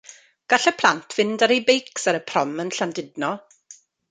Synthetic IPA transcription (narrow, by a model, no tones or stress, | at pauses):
ɡ̥aɬəpʰl̥ˠantʰv̥ɪndaɾejbejksaɾəpʰrɔmənɬandɪdnɔ